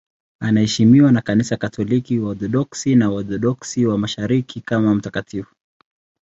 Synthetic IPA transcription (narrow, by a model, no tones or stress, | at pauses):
anahɛʃimiwanakanisakatʰɔlikiwaɔθɔɗɔksinaɔθɔɗɔksiwamaʃaɾikʰikamam̩takatifu̥